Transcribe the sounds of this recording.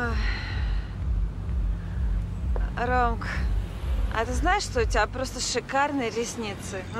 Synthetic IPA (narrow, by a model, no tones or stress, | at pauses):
o | ɾomk | ɐ̰t̪ɨznaɪʂʂt̪oʊtʲɪbʲapɾost̪əʂɨkarnɨjɾʲɪsʲnʲit̪sɨ